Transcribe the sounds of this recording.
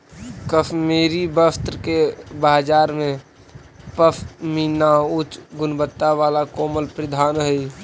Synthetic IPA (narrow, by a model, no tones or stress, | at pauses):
kəpʰmeːɾibəst̪ɾəkebaːd͡ʒaːɾmẽ | pəpʰminaʊt͡ʃɡʊnbət̪ːaʋaːlakɔːməlpɾəd̪ʱaːnɦəi